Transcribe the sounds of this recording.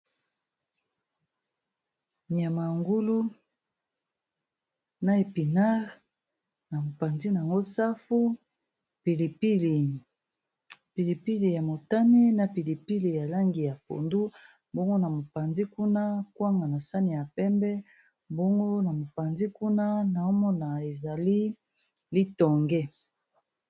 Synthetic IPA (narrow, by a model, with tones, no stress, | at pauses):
ni˨a˨ma˨ŋɡu˦lu˦ | na˦e˨pi˨na˦ʁ | na˨mo˨pa˨nzi˦na˨ŋɡo˦sa˦fu˦ | pi˨li˨pi˦l | pi˨li˨pi˦li˨ja˨mo˨ta˦ne˦na˨pi˨li˨pi˦li˨ja˨la˦ŋɡi˨ja˨po̰˨ndu˦ | bo˦ŋɡo˦na˨mo˨pa˨nzi˦ku˦na˦kwa˦ŋɡa˨na˨sa˦ni˨ja˨pɛ˦mbɛ˦ | bo˦ŋɡo˦na˨mo˨pa˨nzi˦ku˦na˦na˨o˦mɔ˦na˨e˨za˨li˦ | li˦tɔ˨ŋɡɛ˦